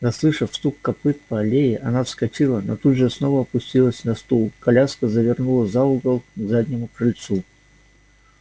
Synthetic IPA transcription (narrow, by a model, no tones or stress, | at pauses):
nɐslˠɨʂəfst̪ukːɐpɨt̪̚pəɐlʲejɪʔɐnafskɐt͡ɕilˠəno̰t̪ud̪ʐɨsnovəɐpʊsʲtʲilˠəsʲnɐst̪ulˠkɐlʲaskəzəvʲɪrnulˠəzauɡəlˠzadʲnʲɪmʊkɾɨlʲt̪su